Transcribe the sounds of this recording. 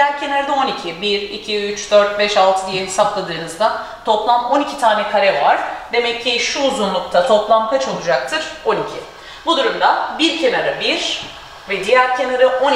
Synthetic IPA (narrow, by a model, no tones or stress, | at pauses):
jæɾcʰe̞naɾad̪ao̞nicʰibiɾicʰiyt͡ʃd̪øɾt̪̚bɛʃalˠt̪ʰɯd̪ijɛisaplˠad̪ɯːnɯzd̪a | t̪ʰo̞plˠamo̞nicʰit̪ʰaːnɛkʰaɾɛvaɾ̥d̪e̞mɛcʰːiʃuːzunlˠuk̚t̪ʰat̪ʰo̞plˠamkʰat͡ʃo̞lˠud͡ʒak̚t̪ʰɯɾ̥o̞nicʰi | bud̪uɾumd̪abiɾcʰe̞naɾabiɾ̥ | vɛd̪ijæɾcʰe̞naɾɯʔo̞n